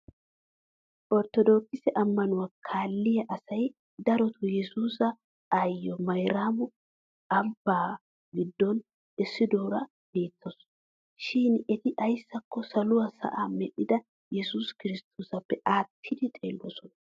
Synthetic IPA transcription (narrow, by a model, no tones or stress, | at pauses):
ʔɔɾt̪ːɔd̪o̞ːkːɪsɛʔɐmːɐnʊwakʰaːlːɪjɐʔɐsɐj | d̪ɐɾɔt̪ʰʊjɛsuːsɐ | ɐjːɔmɐjɾaːmʊ | ɐbːaː | ɡɪd̪ːɔn | ɪsːɪd̪oːɾɐ | b̥e̞ːt̪ːɔs | ʃɪnɛt̪ɪʔɐjsːɐkːɔsɐlʊwɐsɐ̰ʔaːmɛɗɪd̪ɐ | jɛsuskɪɾɪst̪ʰuːsɐpːɛʔaːt̪ʰːɪd̪ɪt̪ʼḛːlːɔsɔnɐ